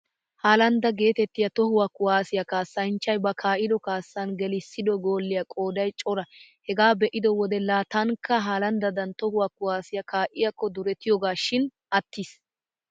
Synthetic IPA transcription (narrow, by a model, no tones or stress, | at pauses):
haːlɐnd̪ɐɡe̞ːt̪ɛt̪ːɪjɐt̪ɔhʊwɐkʊwaːsɪjɐkaːsːɐnt͡ʃːɐjbɐkʰaːʔɪd̪ɔkaːsːɐnɡɛlɪsːɪd̪ɔɡo̞ːlːɪjɐkʼo̞ːd̪ɐjt͡ʃʼɔɾɐhɛɡaːbɛʔɪd̪ɔwɔd̪ɛlaːt̪ɐŋkːɐɦaːlɐnd̪ɐd̪ɐnt̪ɔhʊwɐkʊwaːsɪjɐkaːʔɪjɐkːɔd̪ʊɾɛt̪ɪjɔːɡaːʃɪn | ʔɐt̪ːis